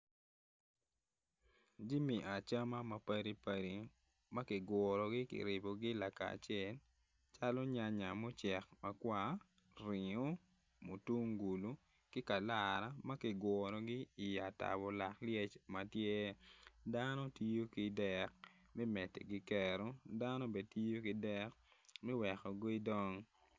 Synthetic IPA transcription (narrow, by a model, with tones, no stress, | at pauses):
d͡ʒi˦mi˨ʔa˨t͡ʃa˦ma˦ma˨pa˦ɾi˦pa˨ɾi˨ | ma˦kɪ˨ɡwɔ˨ɾɔ˨ɡɪ˦kɪ̰˨ɾɪ˨bo˨ɡɪ˦la˨ka̰˨t͡ʃɛ˦˨l | t͡ʃa˦lɔ˦ɲa˦ɲa˨mo˦t͡ʃɛ˨k̚ma˨kwa˦ | ɾɪ˨ŋo˦ | mo˨tu˦ŋɡu˨lu˦ | kɪ˦ka˨la˨ɾa˦ma˦kɪ˨ɡwɔɾɔ˨ɡɪ˦i˨ja˨ta̰˨bɔ˨la˨kljɛ˦t͡ʃma˨tje˦dano˦ti˦jo˦ki˨dɛ˦k̚ | mɛ˦mɛ˨tḛ˨ɡɪ˦kɛ˨ɾo˦da˦no˦be˨ti˦jo˦kɪ˦dɛ˦kmɛ˦wɛ˨xɔ˨ɡo˦i˦dɔ˦ŋ